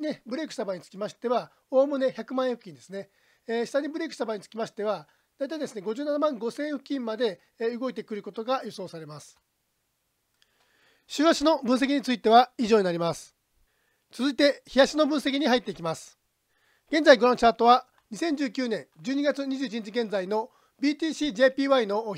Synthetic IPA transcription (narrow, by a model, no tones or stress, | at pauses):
nebɯ̟ɾe̞kɯ̥st̪abaɲ̟it͡sɨ̥kʲimaɕi̥t̪e̞βa | o̞ːmɯ̟ne̞çakɯ̟mãɰ̃ẽɸkɯkʲĩnd̪e̞sɨne̞ | ɕi̥t̪aɲ̟ʲibɯ̟ɾe̞kɯ̟̥st̪abaɲit͡sɨ̥kʲimaɕi̥t̪e̞βa | d̪̥ait̪aid̪esɨne̞ɡo̞ʑɨːnanamãŋɡo̞sẽ̞ɰ̃ɸɯ̟kʲĩmmad̪e̞ | ɯ̟ɡo̞it̪e̞kɯ̟ɾɯ̟ko̞t̪o̞ɡajoso̞ːsaɾe̞masɨ̥ | ɕɨːβaɕino̞bɯ̟̃ɰ̃s̬e̞k̬ʲiɲ̟it͡sɨit̪e̞βaiʑo̞ːɲinaɾʲimasɨ̥ | t͡sɨzɨit̪e̞çijaɕino̞bɯ̟̃ɰ̃se̞k̬ʲiɲ̟iɦait̪ːe̞ikʲimasɨ̥ | ɡ̥ẽ̞nd͡zaiɡoɾãt͡ɕaːt̪o̞βa | ɲ̟isẽ̞ɲ̟d͡ʑɨːkʲɨːnẽ̞ɲd͡ʑɨːɲ̟iɡat͡sɨɲ̟iʑɨːit͡ɕiɲ̟it͡ɕiɡẽ̞nd͡zaino̞ | bʲiːt̪ʲiːɕiːd͡ʑe̞ːpʲiːβaino̞